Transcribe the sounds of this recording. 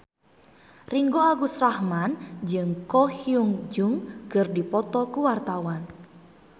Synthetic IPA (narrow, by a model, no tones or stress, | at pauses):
riŋɡoaɡusrahmand͡ʒɨŋkɔhiuŋd͡ʒuŋɡɨrdipɔt̪ɔkuwart̪awan